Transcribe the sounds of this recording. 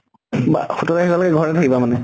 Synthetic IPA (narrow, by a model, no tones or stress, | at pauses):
ba̰xutɔtaxikɔlɔɡɛɡʱɔɹɛtʰakibamanɛ